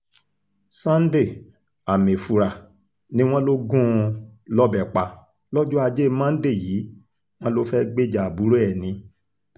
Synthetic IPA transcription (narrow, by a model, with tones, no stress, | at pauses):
sã˦n̩˦de˦˨ | a˨mẽ˨fu˨ɾa˨ | nĩ˦w̃ɔ̃˦lo˦ɡũ˦˧lɔ˦bɛ˨k͡pa˧ | lɔ˦d͡ʒu˦a˧d͡ʒe˦˧mã˦n̩˦de˦˨jiː˨˦ | w̃ɔ̃˦lo˦fɛ˦ɡ͡be˦˨d͡ʒa˨bu˨˦ɾɛ˦˨nĩ˨˧˦